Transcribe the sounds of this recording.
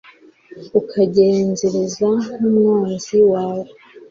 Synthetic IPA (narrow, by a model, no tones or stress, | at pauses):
ukʰaɟeːnzeɾezaŋumŋaːnziwaːwo